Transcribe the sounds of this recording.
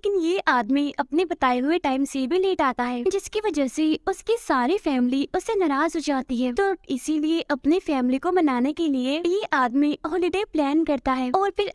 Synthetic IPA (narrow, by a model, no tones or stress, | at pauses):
leːkɪnjeʔaːd̪miɐpnebɐt̪aːeɦʊeʈaːɪmsebʱileːʈaːt̪aɦɛːd͡ʒɪskiʋɐd͡ʒəseʊskisaːɾifɛːmliʊsːenɐɾaːzɦod͡ʒaːt̪iɦɛːt̪oɪsilieʔɐpnifɛːmlikobɐnaːnekeliejeʔaːd̪miɦɔːlɪɖeːplɛːnkɐɾt̪aɦɛːɔːɾpɪɾ